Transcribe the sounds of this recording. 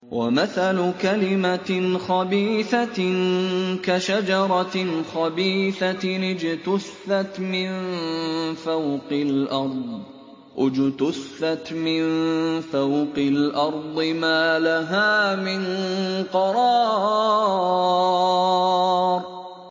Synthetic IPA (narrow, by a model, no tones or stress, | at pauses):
wʔa̰maθalʊkalɪmaxɑbiːθa | kaʃad͡ʒɑɾˤɑxɑbiːθanɪd͡ʒt̪ʊsːat̪mɪn | fawqɪlʔɑɾˤd̪ˤ | ʔʊd͡ʒt̪ʊsθːat̪mɪnfθawqɪlʔɑɾˤd̪ˤɨmaːlaɦaːmɪnqɑɾˤɑː | ɾˤ